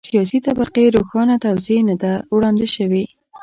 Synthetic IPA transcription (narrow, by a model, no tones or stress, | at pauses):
sijɑs̬it̪abaqeɾoxɑnat̪awzenad̪awɽɑnd̪eʃəwi